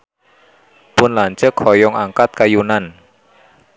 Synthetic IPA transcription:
pʊnlaɲt͡ʃəkʰːɔjɔŋaŋkat̪̚kajunan

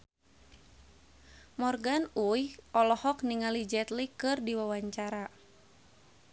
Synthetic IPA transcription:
mɔrɡanujʔɔlɔhɔk̚niŋalid͡ʒɛt̪likɨrdiwawaɲt͡ʃaɾa

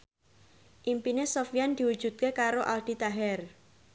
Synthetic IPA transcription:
ʔimpinesofijand̪̥i̤wud̥ʒ̥ṳt̪̚kekaɾoʔalɖ̪̥i̤t̪aɦɛr

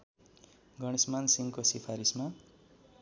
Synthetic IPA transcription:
ɡʌɽ̃ismansiŋkosipʰaɾisma

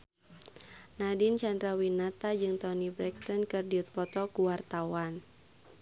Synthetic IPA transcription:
nadint͡ʃandɾawinat̪ad͡ʒɨŋt̪ɔnibɾɛk̚t̪ɔnkɨrdiut̪̚pɔt̪ɔkuwart̪awan

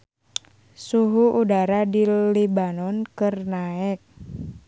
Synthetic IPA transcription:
suɦuʔudaɾadilibanɔnkɨrnaɛk̚

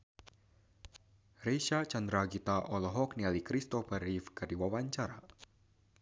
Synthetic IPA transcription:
reʃat͡ʃand̪ɾaɡit̪aʔɔlɔɦɔknialikɾist̪ɔfaɾifkadiwawaɲt͡ʃaɾa

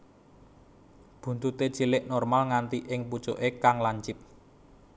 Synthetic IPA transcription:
b̥ṳnt̪ut̪ed̥ʒ̥ilɪʔnɔrmalŋant̪iʔɪŋpu̥t͡ʃoʔekaŋlaɲt͡ʃɪp̚

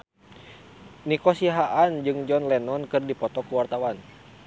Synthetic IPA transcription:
nikɔsiɦaʔand͡ʒɨŋd͡ʒɔnlɛnɔnkɨrdipɔt̪ɔkuwart̪awan

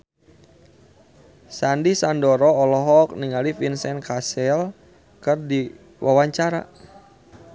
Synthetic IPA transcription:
sandisandɔɾɔːlɔɦɔk̚niŋalifinsɛnkasɛl | kərdi | wʔawaɲt͡ʃaɾa

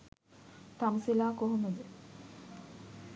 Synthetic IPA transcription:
t̪amsilaːkoɦoməd͡ʑe

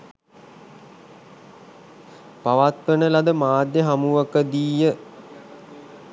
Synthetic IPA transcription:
paʋat̪ʋənəlad̪əmaːd̪jəɦamuʋəkəd̪iːjə

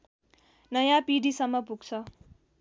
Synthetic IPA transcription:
nʌjãpiɖisʌmːʌpuɡt͡sʰʌ

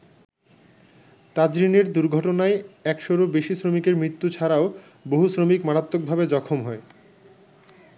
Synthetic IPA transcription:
t̪ad͡ʑɾineɾd̪uɾɡʱɔʈonaeɛkʃoɾobeʃisɾomikeɾmɾit̪ːut͡ɕʰaɾao | boɦusɾomikmaɾat̪ːok̚bʱabed͡ʑɔkʰomɦɔe

